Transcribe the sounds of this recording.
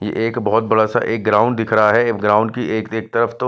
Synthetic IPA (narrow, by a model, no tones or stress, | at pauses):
jḛʔeːkbɔɦɔt̪̚bɐɽasa̰ʔeːk̚ɡɾaːʊ̃ɳɖd̪ɪkʰɾɐɦaɦɛːɡɾaːʊ̃ɳɖkieːkeːk̚t̪ɐɾəft̪o